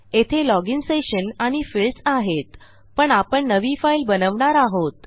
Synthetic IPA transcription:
et̪ʰelɔɡinseɕənaɽ̃ifilsaɦet̪ | pəɳapəɳːəʋifailbənəʋɳaɾaɦot̪

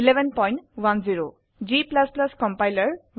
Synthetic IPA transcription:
ilebɛnpɔjnʈwanziɹo | d͡ʒiplasplaskɔmpajləɹw

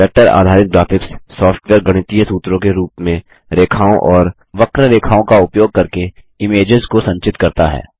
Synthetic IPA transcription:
ɛk̚ʈəɾa̰ːd̪ʱaːɾɪk̪̚ɡɾaːpʰɪkssɔːfʰʈʋeːɾɡɐɽ̃ɪt̪ijə̃suːt̪ɾõkeɾuːpmẽ | ɾeːkʰaːõʔɔːɾ | ʋɐkɾəɾeːkʰaːõkaʊpjoːɡ̚kɐɾke | ɪmeːd͡ʒɪzkosɐ̃ɲt͡ʃɪt̪kɐɾt̪aɦɛ̰ː

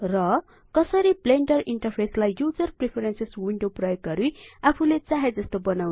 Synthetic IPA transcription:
rʌ | kʌsʌɾibleɳʈʌriɳʈʌrpʰeslajjud͡zʌrpripʰeɾenseswiɳɖoprʌjoɡɡʌɾuapʰulet͡saɦed͡zʌst̪obʌnawn

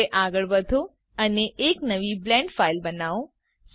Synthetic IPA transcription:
eʔaɡəɭbəd̪ʱo | əneʔeknəʋiblɛ̃ɳɖfailbənaõ | s

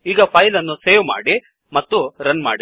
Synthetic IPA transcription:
iːɡɐpʰɐjlɐnːuseːʋma̰ːɽi | mɐt̪ːuɾɐnma̰ːɽi

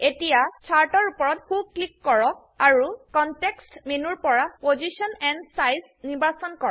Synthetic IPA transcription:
etijat͡ʃʰaɹtɔɹupɔɹɔt̚kʰub̚klikːɔɹɔk̚ | aɹukɔntekstmenuɹpɔɹapozisɔnɛnsajs | nibasɔnkɔɹ

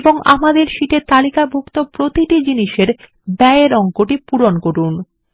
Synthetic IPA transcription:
boŋa̰mad̪eɾʃiʈet̪alikabʱokt̪opɾot̪iʈid͡ʑiniʃeɾ | bɛeɾɔŋkoʈipuɾonkoɾun

